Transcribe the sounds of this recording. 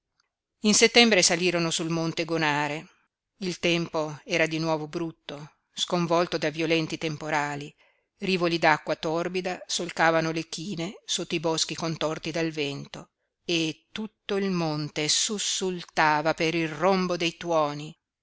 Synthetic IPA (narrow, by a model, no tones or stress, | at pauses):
inset̪ːɛmbɾesaliːɾonosulmont̪eɡonaːɾe | ilt̪ɛmpoɛːɾad̪inwɔːvobɾut̪ːo | skoɱvɔlt̪od̪aviolɛnt̪it̪empoɾaːli | riːvolid̪akːwat̪ɔrbid̪asolk̪aːvanolek̟iːnesot̪ːoibɔsk̟ikont̪ɔrt̪id̪alvɛnt̪o | et̪ːut̪ːoilmont̪esusːult̪aːvapeɾilrombod̪ejt̪wɔːni